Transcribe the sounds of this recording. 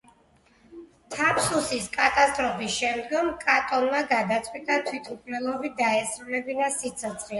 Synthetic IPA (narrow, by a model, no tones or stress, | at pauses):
t̪ʰapʰsusiskʼat̪ʼast̪ʼɾɔpʰisʃɛmd̪ɡɔmkʼat̪ʼɔnmaɡad̪at̪sʼwit̪ʼat̪ʰwit̪ʰukʰnɛlˠɔvid̪aɛsɾulɛbinasit̪sʰɔt̪sʰχi